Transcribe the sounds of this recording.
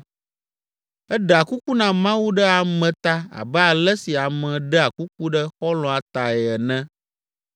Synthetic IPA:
ɛ˦ɖa˨ku˦ku˦nã˨mã˦wu˦ɖɛ˦a˨mɛ̃˨t̪a˦a̰˨bɛ˦a˨lɛ˦si˨a˨mɛ̃˨ɖɛ˦a˨ku˦k̚u˦ɖɛ˦xɔ˦lɔ̃˨a˨t̪a˨ɛ˨ɛ˨nɛ̃˦

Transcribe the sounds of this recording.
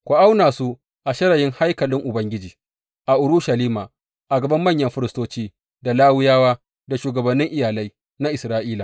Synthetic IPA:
kʷʊ˨ʔa˦wnaː˨su˦ | ʔa˨ʃɐ˦ɾɐ˨jɪ˦ŋha˦jkɐ˨lɪ˦ŋʔʊ˨bɐ˦ŋɡʲɪ˦d͡ʒiː˨ | ʔa˨ʔʊ˨ɾʊ˦ʃa˨liː˦maː˨ | ʔa˨ɡɐ˨bɐ˦mːɐ˦˨ɲjɐ˦mɸɪ˦ɾɪ˨stoː˦t͡ʃiː˦ | da˨laː˦wɪ˦jaː˦waː˦ | da˨ʃuː˨ɡɐ˨bɐ˨nːɪ˦ŋʔɪ˦˨jaː˨la˦j | na˦ʔɪ˨sɾaː˦ʔiː˦laː˨

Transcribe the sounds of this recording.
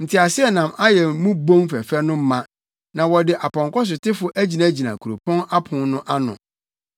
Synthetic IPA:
n̩˨tʰi˨a˨sɪ˦ɛ˦nã˨ma˦jɛ˨mũ˦bõ˦ŋfæ˨fæ˦nʊ̃˦m̩˦mã˦ | nã˨wɔ˨dɪ˨ʔa˨pʰɔ̃˨ŋkɔ˦s̬ʊ˨tʰɪ˦fʊ˦ʔæ˦d͡ʑi˨nã˨˦d͡ʑi˨nã̰˨kʰu˨ɾo˨pʰɔ̃˦na˦pʰʊ̃˨nnʊ̃˦ʔa˦nʊ̰̃˨

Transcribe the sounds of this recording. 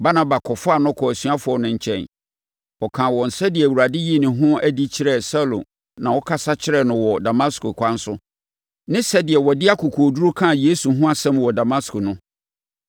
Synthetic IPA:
ba˦nã˦ba˨kʰɔ˨fʊ˦a˨nʊ̃˦kʰɔ˨æ˨sɥa˦fʊ˨˦ɔ˦nʊ̃˨ɲ̩˨t͡ɕʰɛ̰̃˨n | ɔ˨kʰã˨wɔ̃˨n̩˨sɛ˦dɪ˨ɛ˨wu˨ɾa˨dɪ˦ji˦˨nɪ̃˨ɦʊ̃˦æ˦di˦t͡ɕʰɪ˦ɾɛ˦sa˦lo̰˨ | nã˨wɔ˦kʰa˦sa˦t͡ɕʰɪ˦ɾɛ˦nʊ̃˨wɔ˨da˨mã˦sko˨kʷʰa˦n̩˦sʊ˦ | nɪ̃˦sɛ˦dɪ˨ɛ˨wɔ˨dɪ˦a˦kʰu˨kʰu˨o˨du˦ɾu˦kʰã˦˨je˦su˨ɦʊ̃˦a˨sɛ̃˦m˨wɔ˨da˨ma˦skʰʊ˨nʊ̃˦

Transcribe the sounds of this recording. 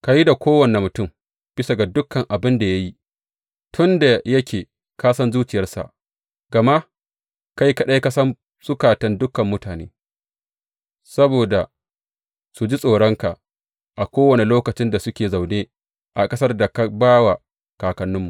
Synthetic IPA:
ka˦ji˦da˨kʷoː˦wɐ˨ne˨mʊ˨tʊ˦˨m | b̥ɪ˦sa˨ɡa˨dʊ˦kːɐ˨ŋʔa˨bɪ˦nda˨ja˦ji˦ | tʰʊ˦nda˨jɐ˦kʲeː˨ | kaː˦sɐ˦nzuː˦t͡ʃɪ˨jɐ˦rsa̰˨ʔ | ɡ̥ɐ˨ma˦ʔ | ka˦jkɐ˦ɗa˦jkɐ˦sɐ˦m | sʊ˦kaː˨tɐ˦ndʊ˦kːɐ˨mːʊ˦taː˨nḛː˦ | sɐ˦boː˨da˨ | su˨d͡ʒi˦sʼoː˨ɽɔ˦ŋka˨ʔ | ʔa˨kʷoː˦wɐ˨ne˨loː˦kɐ˨t͡ʃɪ˦nda˨sʊ˦kʲeː˨za˨wneː˦ | ʔa˨kʼɐ˦sɐ˦rda˨ka˦baː˦wa˨ | kaː˨kɐ˨nːʊ˦mːu˨ʔ

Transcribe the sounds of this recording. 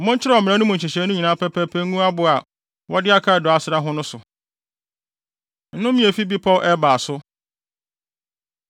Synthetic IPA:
m̩˦mʊ̃˦ɲ˦t͡ɕʰɪ˦ɾɛ˦ɔ˨mɪ̃˨ɛ̃˦nʊ̃˦mʊ̃˨t͡ɕʰɛ˨ɕɛ˨˦nʊ̃˦ɲĩ˨nãː˨˦pʰɛ˦pʰɛ˦pʰɛ˦ŋ˦ũ˦a˦bʊ˨a˨ | wʔɔ˦dɪ˦a˦kʰa˦˨dɔ˨a˨sɪ˨ɾa˦ɦʊ̃˦nʊ̃˦sʊ˨ | n̩˦nʊ̃˦mĩ˦e˨fi˦bi˦pʰɔ˦˨ʔɛ˦baː˨sʊ˦

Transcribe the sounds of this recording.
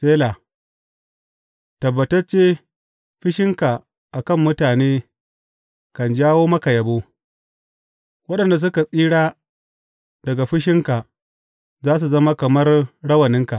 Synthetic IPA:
sʼeː˦la˨ | tɐ˨bːɐ˨tɐ˦rt͡ʃeː˦ | ɸɪ˦ʃɪ˦ŋka˨ | ʔa˨kɐ˦˨mːʊ˦taː˨neː˦ | kɐ˨nd͡ʒaː˦woː˦mɐ˦ka˨jɐ˨boː˦ | wɐ˦ɗɐ˨nda˨s̬ʊ˦ka˨sʼiː˦ɽaː˦ | d̥ɐ˨ɡa˨ɸɪ˦ʃ̬ɪ˦ŋka˨ʔ | zaː˦s̬u˨zɐ˦ma˦kɐ˨mɐ˦rɽɐ˦wɐ˨nɪ˦ŋka˨ʔ

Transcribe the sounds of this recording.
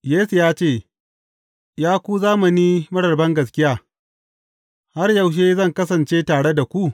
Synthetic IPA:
jeː˦su˨jaː˦t͡ʃeː˦˨ | jaː˦kʷu˦zaː˦mɐ˨niː˦mɐ˦ɽɐ˨rbɐ˦ŋɡɐ˨s̬kʲɪ˦jaː˦˨ | ha˦rjɐ˨wʃ̬eː˦zɐ˦˨ŋkɐ˦sɐ˨nt͡ʃeː˦taː˨ɽe˦da˨kʷu˦ʔ

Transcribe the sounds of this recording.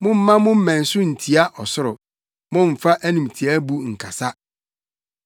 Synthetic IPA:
mʊ̃˦m̩ː˦ã˦mʊ̃˦m̩˦mæ̃˨n̩˨sʊ˦n̩˨tʰi˨˦a˦ʔɔ˨sʊ˦ɾʊ˨ | mʊ̃˦m̩˨fa˦ʔæ˦nĩ˨mtʰi˨æ˦bu˦ŋ̩˨kʰa˨sa˦

